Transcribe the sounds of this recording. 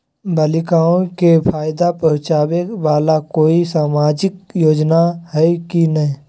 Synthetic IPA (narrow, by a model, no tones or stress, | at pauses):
bəlɪkaːõkepʰaːjd̪apəɾt͡ʃaːweʋaːlakoːisaːmaːd͡ʒɪk̚joːd͡ʒnahɛkinəĩ